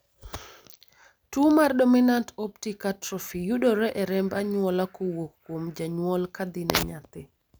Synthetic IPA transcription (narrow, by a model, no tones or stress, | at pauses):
tumaɾɗominantoptikatɾɔfijuɗɔɾɛʔɛɾɛmbaɲuwɔlakɔwokːumd͡ʒaɲuwɔlkad̪inɛ̰ɲatːɛ